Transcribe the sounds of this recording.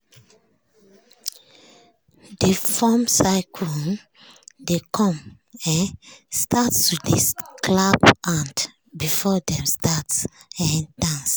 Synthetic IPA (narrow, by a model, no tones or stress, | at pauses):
d̥efɔmsaɪkʰɔ | dekʰɔ̃m | ɛ̃nstatstudisklapʔãnt | bifɔdɛ̃mstatsɛ̃nd̥ãns